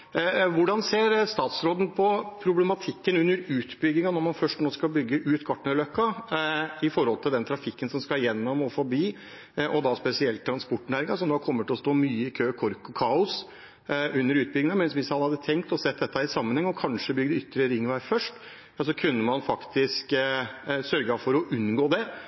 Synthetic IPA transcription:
ʋʊɖɑnseːɾst̪ɑːt̪sɾoːd̪n̩pʰɔpʰɾʊblɛmɑt̪ʰɪkːənʉnːəɾʉːt̪bʏɡɪŋɑnɔɾmɑnfœʂʈnoːskɑlbʏɡːəʔʉːt̪kʰɑʈɳəløkːɑ | ɪfɔɾhɔlt̪ʰɪld̪ɛnt̪ʰɾɑfɪkːənsɔmskɑjɛnːɔmɔfɔbiː | ʔɔd̪ɑspɛsɪɛlt̪̚ːʰɾɑnspɔʈːnæːɾɪŋɑsɔmd̪ɑkʰɔmːət̪ʰɪlɔst̪oːmyːəɪkʰøːkʰɔɾkɔkʰɑːʊs | ʉnːəɾʉːt̪bʏɡɪŋɑmɛnsʋɪshɑnhɑd̪ːət̪ʰɛŋkt̪ɔsɛt̪̚ːd̪ɛt̪ːəhæɾɪsɑmːənhɛŋːɔkʰɑnʂəbʏɡəd̪əʏt̪ːɾəɾɪŋːʋæːfœʂʈ | sɔkʰʉnːəmɑnfɑkt̪ɪsk | sœɾɡəɑfɔɾɔʔʉnɡoːd̪ɛ

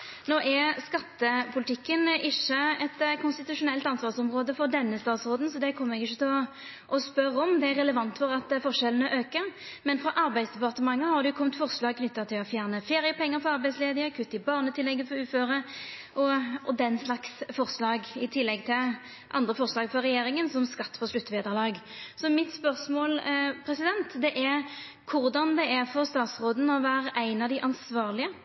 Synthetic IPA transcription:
noːʔɛskɑt̪ːəpʰʊlɪt̪ʰɪkːənɪʃːəɛt̪kʰʊnst̪ɪt̪ʉʂʊnɛlt̪ɑnsʋɑːʁsɔmʁoːd̪əfɔʁd̪ɛnːəst̪ɑːt̪sʁoːd̪nsɔd̪ɛkʰɔmːəʁɛɡɪçːət̪ʰɛɔ | ʔɔspœɾəɔmd̪ɛæɾɛləʋɑnt̪fɔʁɑt̪fɔʁʂɛlənəʔøːkə | mɛnfɾɔʔɑɾbæɪd̪sd̪ɛpɑʁt̪əmɑŋːəhɑd̪ʉʊkʰɔmt̪fɔʁslɑːɡ̚kʰnʏt̪ːɑt̪ʰɪlɔfjæːʁnəfeːʁɪjəpʰɛŋːəfɔɑʁbæɪsleːd̪ɪəkʰʉt̪ːɪbɑːʁnət̪ɪlːɛɡːəfɔɾʉːføːʁə | ʔɔɔd̪ɛnslɑksfɔʁslɑːɡɪt̪ʰɪlːɛɡt̪ʰɪl | ʔɑ̰nd̪ʁəfɔʁslɑːɡfɔʁɛjeːɾɪŋənsɔmskɑt̪ːpʰɔslʉt̪ːʋeːd̪əʁlɑːɡsɔmɪt̪spœʁsmoːlpʰɾɛsɪd̪ɛnt̪d̪ɛʔæɾ | kʰʊʁd̪ɑnd̪ɛæʁfɔʁst̪ɑːt̪sʁoːd̪n̩ɔʋæːʁʔæɪnɑd̪ɪʔɑnsʋɑːʁlɪə

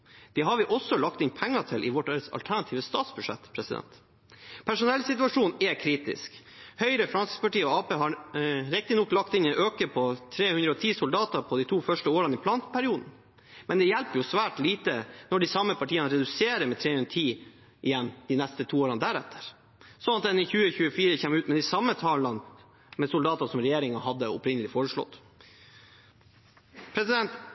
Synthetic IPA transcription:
d̪̥ɛɦɑɾʋɪʔɔsːɔlɑk̚t̪ɪnpʰɛŋːɑʈ̪ʰɪlʔɪʋɔʈːeːɾəsɑ̰lt̪ʰæɳɑt̪ʰiːʋəst̪ɑːt̪sbʉʂɛ̰t̪ːpʰɾɛsɪd̪ɛ̰nt̪ | pʰæʂʊnɛlːsɪt̪ʉɑʂuːnɛkʰɾiːt̪ɪ̰sk | hœʏɾəfɾɑnsɪ̥spɑʈiːəɔɑːpeːɦɑɾɪk̚t̪ɪnɔkːlɑkt̪ɪnɛʔøːkəpʰɔt̪ʰɾeːhʉnd̪ɾəɔt̪ʰiːsʊld̪ɑːt̪ɑɾpʰɔd̪it̪ʰuːfœʂʈəoːɾɑnəɪpʰlɑːnpʰæɾɪuːd̪n̩ | mɛnd̪ɛjælpəɾjʊsʋæːʈliːt̪ənɔɖisɑmːəpʰɑʈʰiːənəɾɛd̪ʉseːɾəmɛt̪ʰɾeːhʉnɾət̪ʰiː | ʔɪjɛnːd̪ɪnɛst̪ət̪ʰuːoːɾɑnd̪æɾɛt̪ʰːə̥ɾ | sɔnɑt̪̚d̪ɛnɪçʉːəçʉːəfiːɾəçeːmʉːt̪mɛd̪ɪsɑmːət̪ʰɑːlɑn | mɛsʊld̪ɑːt̪ɑsɔmɾɛjeːɾɪŋɑɦɑd̪ːəɔ̰pɾɪnːəlɪfoːɾəʂɭɔ̰t̪ː | pʰɾɛsɪd̪ɛnt̪

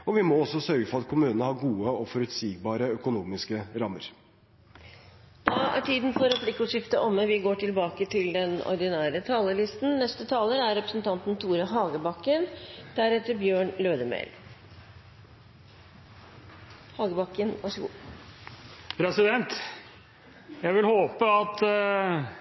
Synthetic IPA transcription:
ɔʋɪmɔɔsɔsœɾɡəfɔɾɑt̪̚kʰʊmʉːnənəhɑɾɡuːəɔfɔɾʉt̪siːɡ̚bɑːɾəœkʊnuːmɪskəɾɑmə̰ɾ | d̪̥ɑæ̰ʈʰiːd̪nfɔɾɛpʰlɪkːʉʂɪft̪əʔɔmːəʋɪɡoːʈʰɪlbɑːkət̪ʰɪld̪ɛnɔ̰ɾd̪ɪnæːɾət̪ʰɑːləlɪst̪n̩nɛst̪ət̪ʰɑːləɾæɾɾɛpɾəsnt̪ʰɑnt̪n̩t̪ʰuːɾəɦɑːɡəbɑkːənd̪̥æɾɛt̪ːəɾbjøːɳløːd̪əmḛːl | hɑːɡəbɑkːənʋɑʂəɡṵː | pʰɾɛsɪd̪ɛnt̪ | jæʋɪlhoːpəɑt̪

